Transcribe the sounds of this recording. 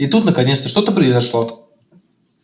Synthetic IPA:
ɪt̪ut̪nəkɐnʲet̪st̪əʂt̪ot̪əpɾəɪzɐʂlˠo̞

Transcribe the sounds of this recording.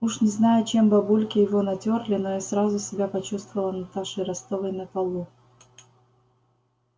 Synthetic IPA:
uʂnʲɪznajʊt͡ɕe̞mbɐbulʲkʲɪjɪvonɐtʲorlʲɪnoisɾazʊsʲɪbʲapɐt͡ɕust̪vəvəlˠənɐt̪aʂɨjɾɐst̪ovəjnɐp̪ɐlˠu

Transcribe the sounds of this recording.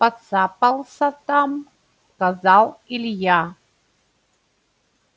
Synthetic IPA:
pat͡sapalˠsat̪am | kazalilja

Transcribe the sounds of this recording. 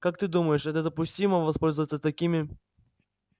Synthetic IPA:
kak̚t̪ɨd̪uməjɪʂɛt̪əd̪əpʊsʲtʲiməvɐspolʲzəvət̪sət̪ɐkʲimʲɪ

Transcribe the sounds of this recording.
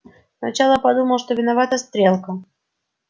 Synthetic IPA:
snɐt͡ɕalˠəpɐd̪uməlˠʂt̪ovʲɪnɐvat̪əst̪ɾʲelˠkə

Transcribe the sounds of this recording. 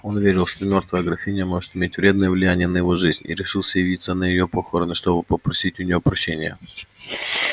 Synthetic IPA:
o̞nʊvʲeɾʲɪlˠʂt̪omʲo̞rt̪vəjəɡɾɐfʲinʲɪjəmo̞ʐɨ̥t̪ɪmʲetʲvɾʲe̞d̪̚nəjəvlʲɪjænʲɪjənəjɪvo̞ʐɨzʲnʲḭɾʲɪʂɨlˠsʲəjɪvʲit̪sənəjɪjopoxoɾɨnɐʂt̪o̞bɨpəpɾɐsʲitʲʊnʲɪjopɾɐɕːenʲɪjə

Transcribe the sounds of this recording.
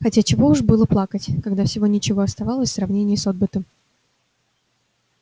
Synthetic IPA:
xɐtʲat͡ɕɪvo̞ʊʐbɨlˠəplˠakətʲkɐɡd̪afsʲɪvo̞nʲɪt͡ɕɪvo̞ɐst̪ɐvalˠəsʲfsɾɐvnʲenʲɪjəsod̪̚bɨt̪əm

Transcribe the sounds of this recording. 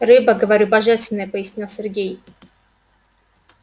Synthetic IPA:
rɨbəɡəvɐɾʲubɐʐɛst̪vʲɪnːəjəpəjɪsʲnʲilˠsʲɪrɡʲej

